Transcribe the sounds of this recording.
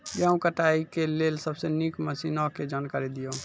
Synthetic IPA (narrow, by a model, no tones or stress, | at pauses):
jəũkəʈaikelelsəbsenikməsinoked͡ʒənkaɾed̪ijo